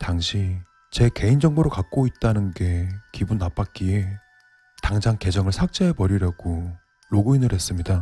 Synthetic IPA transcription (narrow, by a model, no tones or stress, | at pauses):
taŋɕʰi | t͡ɕe̞ke̞ind͡ʑʌŋboɾokak̚k͈oit̚t͈anɯnɡe̞kibunːap͈ak̚k͈ie | taŋd͡ʑaŋke̞d͡ʑʌŋɯɭsʰak̚t͡ɕ͈eɦepʌɾiɾjʌɡ̥o | ɾoɡuinɯɾɦe̞s͈ɯmɲida